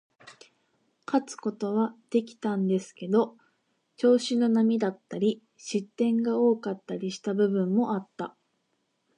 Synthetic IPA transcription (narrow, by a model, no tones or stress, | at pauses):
kat͡sɨ̥ko̞t̪o̞β̞ad̪̥e̞kʲi̥t̪ãnd̪e̞sɨ̥ke̞d̪o̞ | t͡ɕo̞ːɕino̞namʲid̪at̪ːaɾʲi | ɕit̪ːẽ̞ŋɡao̞ːkat̪ːaɾʲiɕi̥t̪abɯ̟bɯ̟̃mːo̞ʔat̪ːa